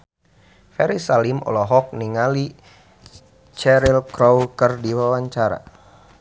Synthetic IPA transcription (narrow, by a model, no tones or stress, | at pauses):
fɛɾisalimɔ̰lɔɦɔk̚niŋali | t͡ʃɛɾilkɾɔwkərdiwawaɲt͡ʃaɾa̰